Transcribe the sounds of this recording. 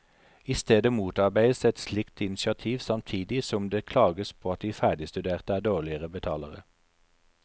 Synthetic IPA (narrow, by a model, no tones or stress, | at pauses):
ɪst̪eːd̪əmuːt̪ɑʁbæɪd̪əsɛt̪slɪkt̪ɪnɪsɪɑt̪ʰiːʋsɑmt̪ʰiːd̪ɪsɔmd̪eːkʰlɑːɡəspʰoːɑt̪̚d̪iːfæːɖ̪ɪst̪ʉd̪eːʁt̪əæːʁd̪oːʁlɪəʁəbət̪ʰɑ̰ːləʁə̰